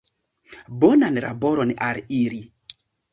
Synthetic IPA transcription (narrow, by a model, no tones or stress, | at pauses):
bɔnanɾa̰bɔɾɔnʔaɾiɾi